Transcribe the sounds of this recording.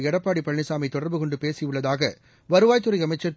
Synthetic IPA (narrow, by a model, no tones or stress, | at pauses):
ɛɽɐpːaːɽipːɐɭːɪsaːmɐɪt̪ːɔɽɐɾbɯkɔɳɖɯpeːsɪjɯɭːɐðaːɣɐ | ʋɐɾɯʋaːjt̪ːɯɾɐɪjɐmɐɪt͡ʃːɐɾt